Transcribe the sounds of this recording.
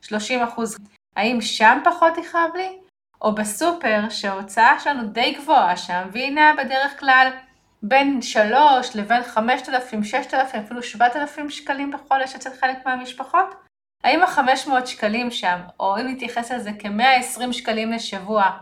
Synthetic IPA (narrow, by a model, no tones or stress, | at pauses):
ʃlo̞ʃimaχuz | haimʃampaχo̞tiχavli | ʔo̞besupe̞ʁʃeot͡saaʃelanude̞jɡvo̞aʃaamvinabe̞de̞ʁe̞χklal | be̞nʃalo̞ʃle̞ve̞nχame̞ʃtalafimʃeʃt̪alafimafiluʃvat̪alafimʃkalimbeχo̞leʃet͡setχelekmeamiʃpaχo̞t | haimaχame̞ʃmootʃkalimʃamo̞imnit̪jaχe̞salzeke̞meaesʁimʃkalimle̞ʃavua